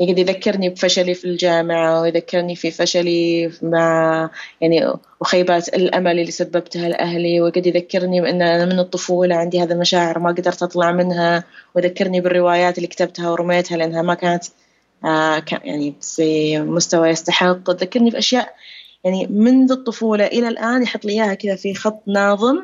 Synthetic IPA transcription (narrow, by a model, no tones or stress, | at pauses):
jɪɡɪd̪ijðakːɪɾnibfaʃalifild͡ʒaːmɪʕawɪjðakːɪɾnififaʃalimaʕjaʕni | wxaːbaːt̪ɪlʔa̰malɪlːisabːabt̪halʔa̰hliwɪɡad̪jðakːɪɾnibʔɪnːʔanamɪnɨt̪ˤːʊfuːlaʕɪnd̪ihaːðilmaʃaːʕɪɾmaɡd̪ɑɾˤt̪ʔɑt̪ˤlɑʕmɪnɦawɪðakːɪɾnibɪrːɪwaːjaːt̪ɪlːikat̪ab̚t̪hawɾʊmeːt̪halɪʔanːhamakaːnat̪ː | kaja̰ʕnifimʊst̪awajɪst̪aħɪqːt̪ðakːɑɾˤnifiʔaʃjaːʔjaʕnimɪnðɨt̪ˤːʊfuːlɑʔɪlalʔaːnjħɑt̪ˤːlʔɪjːaːhakɪðafixɑt̪ˤːnɑːðˤɨm